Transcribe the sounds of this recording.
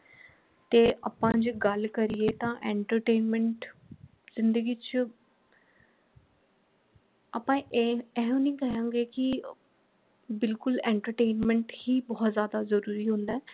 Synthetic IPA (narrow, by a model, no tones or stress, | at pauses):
t̪eːʔa̰ːpãːd͡ʒɡəlkəɾijeːt̪ãːʔɛ̃ːɳʈəɾʈeːnmɛ̃ɳʈ | zɪ̃nd̪əɡiːt͡ʃ | aːpãːʔɛːɦõːnĩːkɛɦãːɡeːkɪ | bɪlkʊlɛ̃ːɳʈəɾʈeːnmɛ̃ɳʈhiːbɔːt̪zjaːd̪aːzəɾuːɾiːɦʊ̃nd̪aː